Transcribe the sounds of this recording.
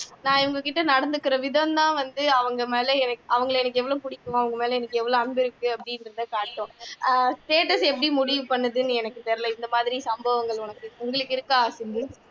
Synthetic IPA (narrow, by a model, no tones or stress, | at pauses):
nãːɪʋɐŋɡɐkɪʈːɐnɐɽɐnd̪ɯkːɪɾɐʋɪðɐmt̪ãːʋɐnd̪ɯɐʋɐŋɡɐmeːlɐɛnɐkːɐʋɐŋɡɐɭɛnɐkːɛʋːɐɭõːpʊɽɪkːɐʋõːɐʋɐŋɡɐmeːlɐɛnɐkːɯɛʋːɐɭõːɐɳbɪɾɯkːɯɐpːɐɽɪnɾɐðɯkaːʈːõːsʈeːʈɐsɛpːɐɽimʊɽiʋɯpɐɳːɐðɯnɯɛnɐkːɯt̪ɛːɾɐlɐɪnd̪ɐmaːðɪɾisɐmbɐʋɐŋɡɐɭʊnɐkːɯʊŋɡɐɭɯkːɪɾɯkːaaːsɪnd̪i